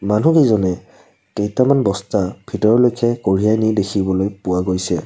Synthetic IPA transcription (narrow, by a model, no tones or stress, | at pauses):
manukezɔnɛ | kejtamanbɔstab̥ʰʱitɔɹɔlojkʰɛkoɹijajnidekʰibɔlojpʊaɡojsɛ